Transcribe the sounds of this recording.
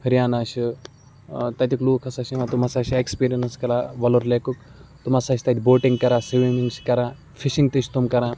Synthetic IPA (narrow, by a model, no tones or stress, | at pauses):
hɐɾʲjaːnaːʃi | t̪ɐt̪ʲikluːkʰɐsɐʃimãt̪umɐsaːʃiekspiːɾiɐnskɐlaːʋɐloɾleːkukt̪umɐsaːʃt̪ɐt̪ʰʲboːʈiŋɡkɐɾaːsiʋimiŋskɐɾãː | fʰiʃiŋɡ̚t̪iʃʰt̪umkɐɾãː